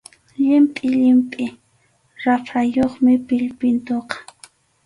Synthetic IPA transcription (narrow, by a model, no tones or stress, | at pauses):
ʎɪmpʼɪʎɪmpʼɪ | ɾapʰajoχmɪpɪʎpɪnt̪oqɑ̥